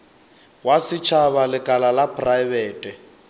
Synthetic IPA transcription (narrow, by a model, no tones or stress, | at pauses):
wasɪt͡ʃʰaβalɪkʼalalapʰʼrabɛːtʼɛ